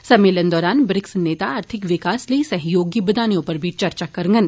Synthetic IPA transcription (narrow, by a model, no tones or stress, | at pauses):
sɐmːeːlənd̪ɔːɾaːnbɾɪksneːt̪aaːɾt̪ʰɪkʋɪkaːsliisɐɦjoːɡibɐd̪aːnjõpɐɾbʱit͡ʃɐɾt͡ʃakɐɾŋɡən